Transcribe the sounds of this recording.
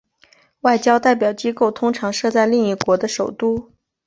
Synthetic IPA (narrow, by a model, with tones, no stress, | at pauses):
wa˥˩ɪt͡ɕjɑ˥ʊt̪a˥˩ɪpjɑ˨˩ʊt͡ɕi˥ko˥˩ʊt̪ʰʊ˥ŋʈ͡ʂʰɑ˧˥ŋʂɤ˥˧t͡sa˥˧ɪli˥˧ŋi˥˩kwɔ˧˥d̪ə˧ʂo˨˩ʊt̪u˥˩